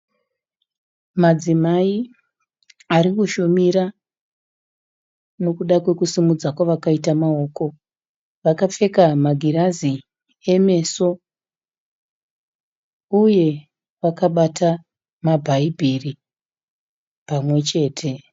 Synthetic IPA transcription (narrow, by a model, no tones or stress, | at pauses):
mad͡zimai | aɾikuʃomiɾa | no̞kuɗakwe̞kusimud͡zakwaʋakaitamao̞ːko̞ | ʋakafe̞kamaɡʱiɾazi | e̞me̞so̞ | uje̞ | ʋakaɓatʰa | mabʱaibʱiri | pamwe̞t͡ʃe̞ːtʰe̞